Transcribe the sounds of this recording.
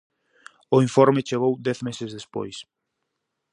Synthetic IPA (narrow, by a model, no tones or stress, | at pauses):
ʊiɱfɔɾmɪt͡ʃeɣ̞owd̪ɛθmesɪzðespo̰js